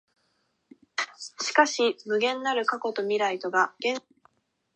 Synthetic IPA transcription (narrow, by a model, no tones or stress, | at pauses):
ɕi̥kaɕimɯ̟ɡẽ̞nːaɾɯ̟kako̞t̪o̞mʲiɾait̪o̞ɡaɡ̥ẽ̞